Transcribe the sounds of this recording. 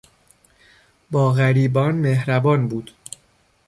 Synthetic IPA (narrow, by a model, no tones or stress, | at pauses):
bɒːɣæɾiːbɒːnmehɾæbɒːnbuːd̪̥